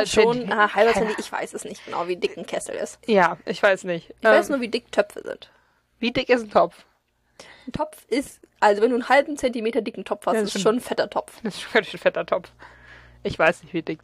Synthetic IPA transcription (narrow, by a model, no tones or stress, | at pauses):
ʃoːnahalbɐt͡sɛntiʔɪçv̥a̰ɪsɛsnɪçt̚ɡ̥əna̰ʊviːdɪkn̩kʰɛsl̩ɪ̰stjaːʔɪçv̥aɪsnɪçtʔɪç̥vaɪsnuːɐviːdɪktʰœpfə̰zɪ̰nt | viːdɪkɪsn̩tʰɔpf | n̩tʰɔpp͡fʔɪstʔalzovɛnduːnhalbm̩t͡sɛntimeːtɐdɪkŋ̩tʰɔpfhastɪsʃoːnnfɛtɐtʰɔpfɛsʃoɡ̥aɪn̩fɛtɐtʰɔpf | ʔɪçv̥aɪsnɪçtv̥iːdɪk